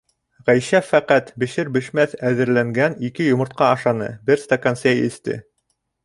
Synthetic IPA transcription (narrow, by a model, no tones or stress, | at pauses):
ʁæjʃæfæqæt̪bɘ̆ʃɘɾbɘ̆ʃmæθæðɘ̆ɾlæŋɡænikɘjŏmɤ̆ɾt̪̚qɑɑʃɑnɤ̰bɘɾst̪ɐkɐnsʲejɘ̰̆θt̪ɘ̰